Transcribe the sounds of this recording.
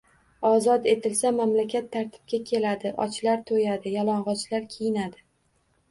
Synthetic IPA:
ɒzɒt̪e̞t̪ʰɪlsamamlakʲat̪ʰːaɾt̪ʰɪ̥b̚kʲakʲʰe̞lad̪ɪʔɒ̰t͡ʃlaɾt̪ʰojad̪ɪjalˠɒɴʁɒt͡ʃlaɾkʲʰejɪnad̪ɪ

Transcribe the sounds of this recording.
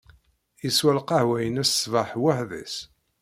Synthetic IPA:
jəswælqɑhwæjənæsːvaħwaħðæ̰s

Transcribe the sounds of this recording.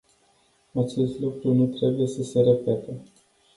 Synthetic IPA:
at͡ʃe̞st̪lukɾunut̪ɾe̞buje̞səse̞ɾe̞pe̞t̪e

